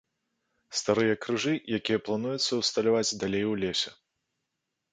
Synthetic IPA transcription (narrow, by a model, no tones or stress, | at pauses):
st̪aɾɨjɐkɾɨʐɨjakʲijɐplˠanujut̪sːɐwst̪ɐlʲavad͡zʲd̪alʲejwlʲesʲɛ